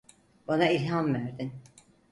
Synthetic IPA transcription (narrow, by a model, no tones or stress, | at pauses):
banailʲɦamvæɾd̪in